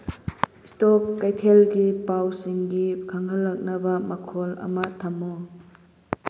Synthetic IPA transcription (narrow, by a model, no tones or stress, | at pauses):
istɔkːajtʰelɡipawsiŋɡikʰaŋɦɐlːɐk̚nɐbɐmɐkʰɔlɐ̰mɐtʰɐmo